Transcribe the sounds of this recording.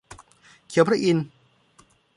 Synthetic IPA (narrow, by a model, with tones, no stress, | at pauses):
kʰi˨˩˦pʰɾa˥ʔi˧n